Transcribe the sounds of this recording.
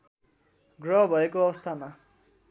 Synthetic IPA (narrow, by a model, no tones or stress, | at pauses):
ɡrʌɦbʱʌekoʌst̪ʰama